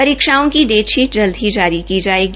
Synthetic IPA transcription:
ɐɾiːkʃaːõkid̪eːʃiːd͡ʒɐld̪ʱɦid͡ʒaːɾikid͡ʒaːeːɡi

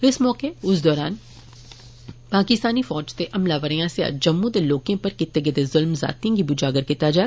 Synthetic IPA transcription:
ɪsmɔːkeʊsd̪ɔːɾaːn | paːkɪst̪aːnifɔːd͡ʒt̪eʔɐmlaːʋəɾijãseja̰d͡ʒɐmːũd̪eloːkẽpɐɾkɪt̪eɡed̪ezʊlmza̰ːt̪ĩɡibʊd͡ʒaːɡəɾkɪt̪ad͡ʒa

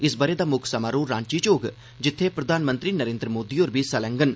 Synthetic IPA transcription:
ɪsbəɾeːd̪aːmʊkʰsəmaːɾuːɾã̰ːɲt͡ʃiːt͡ʃoːɡ | d͡ʒɪt̪ʰːeːpɾəd̪ʱaːnmə̃nt̪ɾiːnəɾẽːnd̪ɾəmoːd̪iːoːɾbiːsəlɛ̃ŋɡən

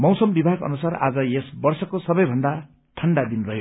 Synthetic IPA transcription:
mʌwsʌmbibʱaɡʌ̰nusara̰d͡zʌjesbʌrsʌkosʌbʌjbʱʌnd̪a | ʈʰʌɳɖad̪inrʌɦjo

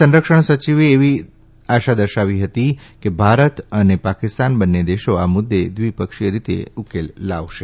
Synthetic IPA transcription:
ə̃nɾəkʃəɳsət͡ʃiʋeːʋi | aʃad̪əɾʃaʋiɦət̪ikebʱaɾət̪ənepakɪst̪anbənːed̪eʃoamʊd̪ːed̪ʋipəkʃijəɾit̪ḛukelːaʋʃe

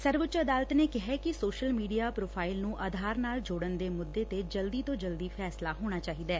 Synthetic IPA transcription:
səɾʋət͡ʃəd̪aːlət̪neːkɪɦɛkɪsoːʃəlmiːɖijaːpɾoːpʰaːɪlnũːʔəd̪ʱaːɾnaːld͡ʒoːɽənd̪eːmʊd̪ːeːt̪ed͡ʒəld̪iːt̪õːd͡ʒəld̪iːpʰɛːslaːɦoːɽ̃aːt͡ʃaːɦiːd̪aː

